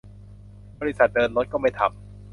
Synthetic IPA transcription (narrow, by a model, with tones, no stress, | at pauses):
bɔː˧i˦˥sa˨˩t̪̚dɤː˧nɾo˦˥t̪̚kɔː˥˩ma˥˩jt̪ʰa̰˧˩m